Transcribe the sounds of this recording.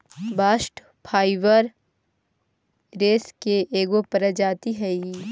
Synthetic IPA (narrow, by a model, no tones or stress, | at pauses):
baːsʈ | pʰaːɪʋəɾ | ɾeːskeʔeːɡopəɾəd͡ʒaːt̪iɦɛi